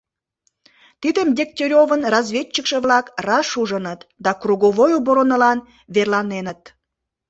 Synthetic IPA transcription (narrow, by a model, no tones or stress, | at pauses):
t̪id̪əmdʲek̚t̪ʲeɾʲovənrɑzvʲet͡ɕt͡ɕːəkʃə̆βlɑkrɑʃuʒənət̪d̪ɑkruɣoβojuboɾonəlɑn | βerlɑnenət̪̚